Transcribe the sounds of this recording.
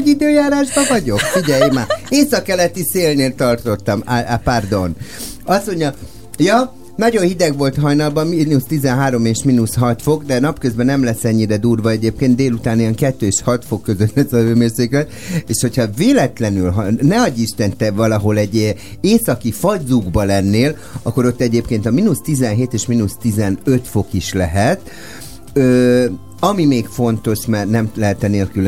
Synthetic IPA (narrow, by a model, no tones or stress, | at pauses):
id̪øːjaːɾaːʒbɒvɒɟo̞kfiɟɛjmaeːsɒkːɛlɛt̪iseːlneːlt̪ɒrt̪o̞t̪ːɒmaapard̪o̞nɒsmo̞ɲːɒ | jɒ | nɒɟo̞nhid̪ɛɡʋo̞lt̪ɦɒjnɒlbɒminust̪izɛnɦaːɾo̞meːʃminusɦɒt̪fo̞ɡd̪ɛnɒpkøzbɛnɛmlɛsːɛɲːiɾɛd̪uːrvɒɛɟeːp̚keːnd̪d̪eːlut̪aːnijɛŋkɛt̪ːøːeʃhɒt̪fo̞kːø̞zø̞t̪lɛsɒvøːmøːrseːklɛt̪ | eːʃho̞chɒveːlɛt̪lɛnylɦɒnɛɒɟːiʃt̪ɛnt̪ɛvɒlɒɦo̞lɛɟ | eːsɒkifɒdzuɡbɒlɛnːeːl | ɒkːo̞ɾo̞t̪ːɛɟeːpkeːnt̪ɒminust̪izɛnɦeːt̪eːʃminust̪izɛnø̞t̪fo̞kiʃlɛɦɛt̪ | øː | ɒmimeːkfo̞nt̪o̞ʃmɛrnɛmlɛɦɛt̪ɛneːlkyl